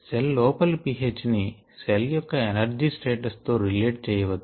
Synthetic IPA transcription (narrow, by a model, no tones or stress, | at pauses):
selːɔːpɐlpiɦeːt͡ʃni | seljɔkːɐenɐɾd͡ʒiːsʈe̞ːʈɐst̪o̞ːɾileːʈ̚t͡ʃɛːjɐʋɐd̪ːu̥